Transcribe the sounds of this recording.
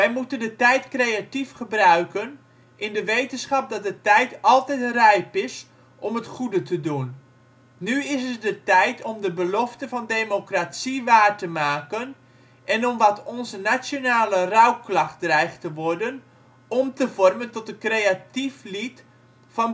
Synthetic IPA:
ʋɛjmutəndətɛjtkrejatifχəbrœɥkən | ʔɪndəʋejtənsχɑp̚dɔt̚dətɛjtɑlˠtɛjtrɛjpɪs | ʔɔmətχudətədunː | yɪsət̚dətɛjtʰɔmdəbəlɔftəvɑndeːmokrasiʋaːrtəmaːkən | ʔɛnɔmʋɔtʰɔnzənasjonaːlərawklɑχt̚drɛjχtəʋɔrdən | ɔmtəvɔrməntɔtəkreatiflit | fɔn

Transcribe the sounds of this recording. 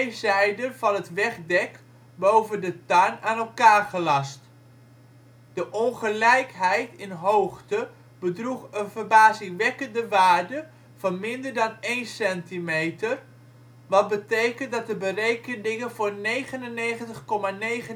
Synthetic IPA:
zɛjdənvɑnɦətʋɛχdɛk | bowvəndətanaːnɛlˠkaːɹχəlɑst | d̥əʔɔnχəlɛjkɦɛjtɪnɦowχtə | bədruχənvərbaːzɪŋʋɛkəndəʋaːɹdə | v̥ɑnmɪndəɹdɑnejnsɛntimejtər | ʋɑt̚bətejkəntdɑt̚əbərejkənɪŋənvʊːɹnejχənənejχəntəχkɔmaːnejχə

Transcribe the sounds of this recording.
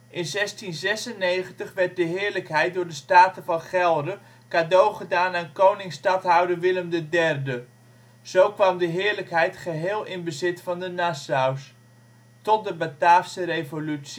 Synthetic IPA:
ʔɪnzɛstinzɛsənejχəntəχʋɛɹt̚dəɦɪːɹləkɦɛjt̚dʊːɹdəstaːtəvɑnχɛlˠdə | kaːdowχədaːnankownɪŋstɑtɦʌwdəɹʋɪləmdədɛrdə | z̥owkʋɑmdəɦɪːɹləkɦɛjtχəɦɪːlˠɪnbəzɪtfɑndənasaws | tɔt̚dəbətaːfsəɾejvolyts

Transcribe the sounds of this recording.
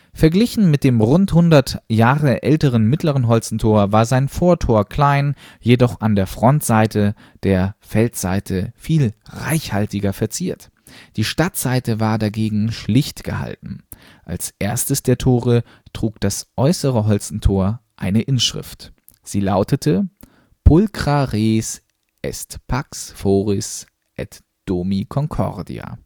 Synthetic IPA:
fɛɐɡlɪçn̩mɪt̚d̥eːmʁʊnthʊndɐtjaːʁəʔɛltəʁ̞ənmɪtləʁ̞ənɦɔlsn̩tʰoːɐvaːɐzaɪnfoːɐtʰoːɐkl̥aɪnjedɔχʔandeːɐfʁ̥ɔntz̥aɪtʰə | d̥eːɐfɛltz̥a̰ɪtʰəfiːlʁa̰ɪçhaltɪɡɐfɛɐt͡siːɐt | d̥iːʃtatz̥aɪtəvaːɐdaɡeːɡŋ̩ʃlɪçtɡ̥ə̰ha̰ltn̩ | ʔa̰lsʔeːɐstəsd̥eːɐtʰoːʁə | tʁ̥uːkd̥asʔɔʏsəʁəɦɔlt͡sn̩tʰoːɐʔa̰ɪnəʔɪnʃʁ̥ɪ̰ft | z̥iːlaʊtətʰə | pʰʊlkʁ̥aʁeːs | ʔɛ̰stpʰaksfoːʁɪs | ʔɛ̰t | d̥oːmikʰɔŋkʰɔ̰ʁdḭa̰

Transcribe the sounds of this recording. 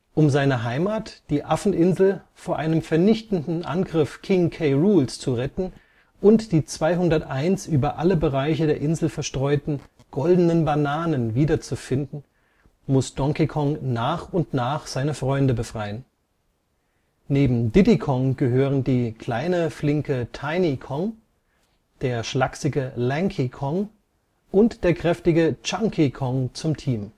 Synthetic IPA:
ʔʊmzaɪnɐɦaɪmaːtd̥iːʔafn̩ʔɪnzl̩foːɐʔaɪnəmfɛɐnɪçtn̩dn̩ʔa̰nɡʁɪfkʰɪŋkʰeɪʁuːlst͡suʁɛtn̩ | ʔʊntd̥iːt͡sv̥aɪɦʊndɐtʔaɪnsʔyːbɐʔaləbəʁaɪçədeːɐʔɪnzl̩fɛɐʃtʁ̥ɔʏtn̩ | ɡ̥ɔldənənbanaːnənviːdɐt͡sufɪndn̩ | mʊsd̥ɔŋkikʰɔŋnaːχʊntnaːχz̥aɪnəfʁ̥ɔʏndəbəfʁ̥aɪən | neːbm̩dɪdikʰɔŋɡ̥əɦøːʁəndiːkʰl̥aɪnəflɪŋkətʰaɪnikʰɔŋ | d̥eːɐʃlaksɪɡəlɛŋkʰikʰɔŋ | ʔʊntd̥eːɐkʁ̥ɛftɪɡət͡ʃaŋkʰikʰɔŋt͡sʊmtʰiːm

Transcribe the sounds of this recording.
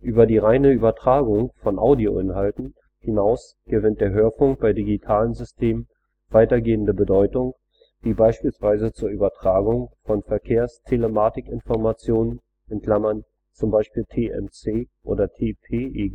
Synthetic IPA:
ʔyːbɐdiːʁaɪnəyːbɐtʁ̥aːɡʊŋfɔnʔa̰ʊdio̰ʔɪnɦaltn̩ | hɪnaʊs | ɡ̥əvɪnt̚d̥eːɐɦøːɐfʊŋk̚b̥aɪdiɡitʰaːlənzʏstʰeːmən | vaɪtɐɡeːəndəbədɔʏtʊŋ | v̥iːbaɪʃpiːlsv̥aɪzət͡suːɐʔyːbɐtʁ̥aːɡʊŋfɔnfɛɐkʰeːɐstʰeləmaːtɪkɪnfɔɐmat͡sjoːnən | ʔɛntkʰl̥amɐn | t͡sʊmbaɪʃpiːltʰeːʔɛ̰mt͡seːʔo̰ːdɐtʰeːpʰeːeː

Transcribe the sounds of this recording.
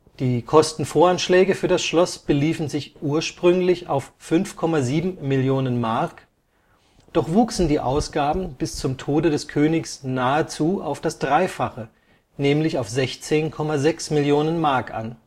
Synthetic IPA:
d̥iːkʰɔstn̩foːɐanʃlɛːɡəfyːɐdasʃlɔsb̥əliːfn̩zɪçʔuːɐʃpʁ̥ʏŋlɪçaʊfːʏnfkʰɔmaziːbm̩mɪljoːnənmaɐk | d̥ɔχv̥uːksn̩diːʔa̰ʊsɡ̥aːbm̩b̥ɪst͡sʊmtʰoːdədɛskʰøːnɪçsnaːət͡suːa̰ʊfd̥asd̥ʁaɪfaχə | nɛːmlɪçaʊfz̥ɛçt͡seːnkʰɔmazɛksmɪljoːnənmaɐkʔa̰n

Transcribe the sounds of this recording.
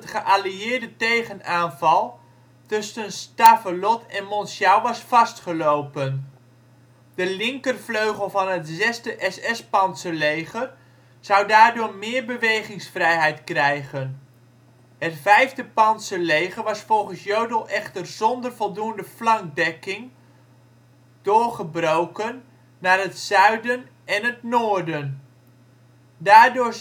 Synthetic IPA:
ətχəʔaliɪːrdətejχənaːnvɑlˠ | tɵsənstafəlɔtʰɛnmɔnsjawʋɑsfɑstχəlowpən | d̥əlɪŋkərvløɥχəlˠvɑnɦətzɛstəʔɛsɛspɑntsəlejχər | z̥awdaːrdʊːɹmɪːɹbəʋejχɪŋsfrɛjɦɛjtkrɛjχən | hətfɛjvdəpɑntsəlejχərʋɑsfɔlˠχənsjøɥdəlˠʔɛχtərzɔndərvɔlˠdundəflɑŋk̚dɛkɪŋ | d̥ʊːɹχəbrowkənː | aːrɦətsœɥdən | ɛnɦətnoːɹdən | daːɹdʊː

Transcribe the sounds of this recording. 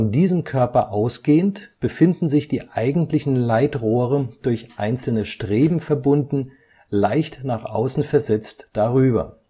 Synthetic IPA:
fɔndiːzəmkʰœɐpɐʔaʊsɡ̥eːəntb̥əfɪndn̩zɪçd̥iːʔaɪɡŋ̩tlɪçn̩laɪtʁoːʁəd̥ʊɐçʔa̰ɪnt͡sl̩nəʃtʁ̥eːbm̩fɛɐbʊndn̩ | laɪçtnaːχʔa̰ʊsn̩fɛɐzɛt͡std̥aʁyːbɐ̰

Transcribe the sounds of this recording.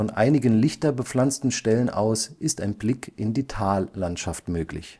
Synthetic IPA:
ɔnʔa̰ɪnɪɡənlɪçtɐbəp͡fl̥ant͡stn̩ʃtɛlənʔa̰ʊsʔɪstaɪnblɪkʰʔɪndiːtʰaːlːantʃaftmøːklɪ̰ç

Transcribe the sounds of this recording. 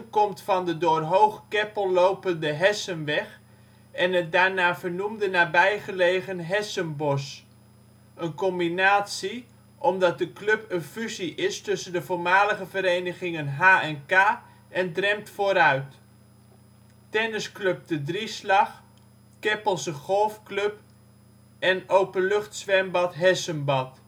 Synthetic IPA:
kɔmtfɑndədʊːrɦowχkɛpəlˠlowpəndəɦɛsənʋɛχ | ʔɛnədaːɹnaːvərnumdənaːbɛjχəlejɣənɦɛsənbɔs | ənkɔmbinaːtsi | ʔɔmdɑt̚dəklɵpənfyziʔɪstɵsəndəvoːɹmaːləχəvəɾejnəχɪŋənɦaːɛnkaː | ɛndrɛmtfoːɾœɥt | tɛnəskløp̚dədrislɑχ | kɪpəlˠsəχɔlˠfklɵp | ɛnowpənlɵχtsʋɛrmbɑtɦɛsənbɑt

